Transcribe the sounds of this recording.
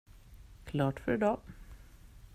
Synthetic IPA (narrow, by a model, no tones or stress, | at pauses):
kʰlɑːʈfœɾɛd̪ɑː